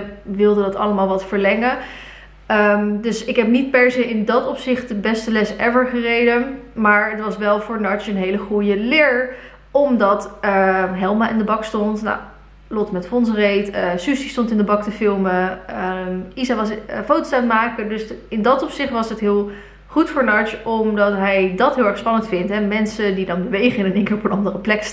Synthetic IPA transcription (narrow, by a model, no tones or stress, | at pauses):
ʋɪlˠdədɑtɑ̰ləmaːlˠʋɑtfəɹlɛŋə | əmdɵsɪkɦɛpnit̚pɛɹzejɪndɑtɔpsɪχt̚dəbɛstəlɛsɛvəɹχərejdəmaːɹətʋɑsʋɛlˠvʊːɹnɑɹt͡ʃənɦejləχujəlɪːɹ | ɔmdɑtəɦɛlˠmaʔɪndəbɑkstɔntna̰w | lɔtmɛtfɔnsrejtəsysistɔntɪndəbɑktəfɪlˠməəizaʋɑsfowtosatmaːkədɵsɪndɑtɔpsɪχtʋɑsətɦɪːlˠ | χutfʊːɹnɑɹt͡ʃɔmdɑtɦɛjdɑtɦɪlˠɛɹχspɑnəntfɪntɦɛmɛnsədidɑndəʋejχəɪnəneŋkɪːɹɔpənɑndərəplɛk